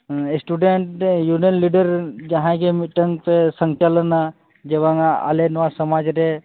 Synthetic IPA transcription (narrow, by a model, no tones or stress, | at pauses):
sʈuɖeɳʈjunijənliɖəɾd͡ʒɐɦãkemiʈəŋpesəŋt͡ʃələna | d͡ʒeʋãŋa̰lenʋasəmaːd͡ʒɾe